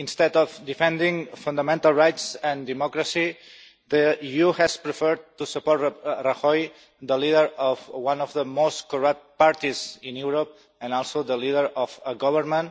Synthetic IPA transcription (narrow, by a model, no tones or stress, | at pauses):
ĩnst̪ɛd̪ɔfd̪ifɛ̃nd̪ĩŋfũnd̪amɛ̃nt̪alˠɹajtsɛ̃nd̪imɔkɾəsi | ðəijuhɛspɾəfəɾt̪ːusəpɔɾtraxɔj | ðəliðəɾɔfwãnɔvðəmost̪koɹʌp̚t̪̚paɾt̪izĩnjuɾop̚ | ə̃nɔlˠsoðəliðəɾɔfəɡɔβəɾmə̃n